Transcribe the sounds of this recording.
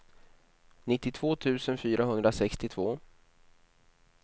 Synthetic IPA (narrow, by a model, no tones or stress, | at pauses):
nɪt̪ːɪt̪ʰv̥oːt̪ʰʉ̟ːsənfyːɾaɦɵnd̪ɾasɛkst̪ɪt̪ʰv̥oː